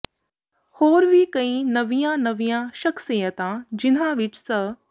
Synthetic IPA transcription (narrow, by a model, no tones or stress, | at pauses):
hoːɾʋikɐĩnɐʋijãnɐʋijãʃɐksijət̪ãd͡ʑɪn̤ãʋɪt͡ʃsə